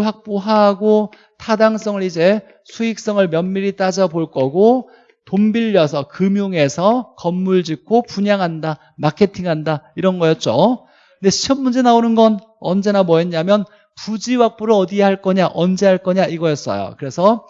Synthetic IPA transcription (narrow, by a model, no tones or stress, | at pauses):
ɭɸwak̚p͈oɦaɡo | tʰadaŋs͈ʌŋɯɾid͡ʑe̞ | sʰuik̚s͈ʌŋɯɭmjʌnmiɾit͈ad͡ʑʌboɭk͈ʌɡo | tombiʎːʌsʰʌkɯmjoŋe̞sʰʌkʌmːuɭd͡ʑikʰopuɲaŋɦanda | makʰe̞tʰiŋɦandaiɾʌnɡʌjʌt̚t͡ɕ͈o | ne̞t͡ɕʰʌmːund͡ʑe̞naonɯnɡʌn | ʌnd͡ʑe̞namwʌeɲamjʌn | pud͡ʑiwak̚p͈oɾɯʌdieɦaɭk͈ʌɲaʔʌnd͡ʑe̞ɦaɭk͈ʌɲaʔiɡʌjʌs͈ʌ̰jo̰kɯɾe̞sʰʌ